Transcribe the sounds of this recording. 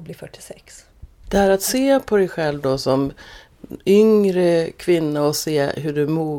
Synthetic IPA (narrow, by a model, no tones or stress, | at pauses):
bliːfœʈːɪ̥sɛks | d̪̥ɛhæːɾat̪seːpʰɔd̪ɛjɧɛlvd̪ɔsɔm | ʏŋɾəkʰvɪnːaɔseːɦɵɖɵmuː